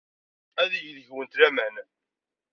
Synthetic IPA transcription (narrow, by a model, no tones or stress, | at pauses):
æðjəðəʝwənt̪læmæn